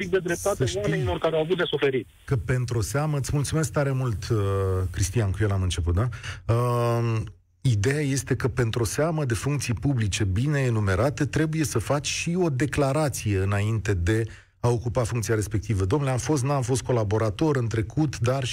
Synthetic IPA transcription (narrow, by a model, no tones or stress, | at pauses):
pik̚d̪ed̪ɾe̞p̚t̪at̪seətamienilo̞rkaɾeawavut̪d̪e̞sufe̞ɾit̪ʲ | kəpe̞nt̪ɾoo̞seaməɨt̪sʲmult̪sume̞sk̚t̪aɾe̞mult̪əkɾist̪ijankuje̞lamɨnt͡ʃe̞put̪̚d̪aə | id̪e̞jaje̞st̪e̞kəpe̞nt̪ɾo̞seaməd̪e̞fuŋkt̪sijpublit͡ʃe̞bine̞ːnume̞ɾat̪e̞t̪ɾe̞buje̞səfat͡ʃʲʃio̞d̪e̞klaɾat̪sije̞ɨnaint̪e̞d̪e̞ | ao̞kupafuŋkt̪siaɾe̞spe̞k̚t̪ivəd̪omnuleamfo̞st̪nuamfo̞st̪̚ko̞labo̞ɾat̪o̞ɾɨnt̪ɾe̞kʰut̪d̪ar